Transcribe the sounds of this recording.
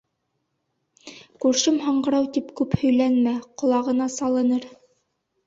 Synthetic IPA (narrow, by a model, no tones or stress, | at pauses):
kʉɾʃɘmɦɑɴɢɤ̆ɾɑwt̪ipkʉphɵ̆jlænmæqŏlˠɑʁɤ̆nɑsɑlˠɤ̆nɤɾ